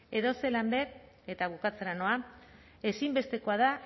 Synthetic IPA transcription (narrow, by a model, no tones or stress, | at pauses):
e̞ðo̞se̞lambe̞ɾ | e̞t̪aɣukat͡seɾano̞a | e̞simbe̞st̪e̞ko̞að̞a